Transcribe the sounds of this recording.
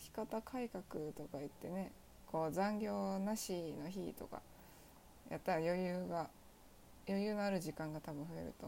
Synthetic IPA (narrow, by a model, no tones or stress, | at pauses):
çʲi̥kat̪akʰaikakɯ̟t̪o̞kai̟t̪ːe̞ne̞ | ko̞ːzãŋɡʲo̞ːnaɕino̞çit̪o̞̰ka̰ | jat̪ːaɾajo̞jɯːɡa | jo̞jɯ̟ːno̞aɾɯ̟ʑikãŋɡat̪abɯ̟̃ɸɯ̟e̞̰ɾɯ̟̰t̪o̞